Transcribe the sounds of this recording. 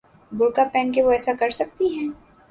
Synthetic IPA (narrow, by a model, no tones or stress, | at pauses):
bʊɾkapɛːnk̬eʋoɛːsakɐɾsɐk̚t̪iɦɛ̃ː